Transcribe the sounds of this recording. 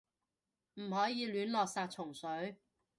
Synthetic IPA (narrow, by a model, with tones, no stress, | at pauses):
m̩˨˩hɔː˨˥jiː˨˧lyː˨˥nlɔː˨k̚saː˧t̚t͡sʰʊ˨˩ŋsɵ˨˥ɥ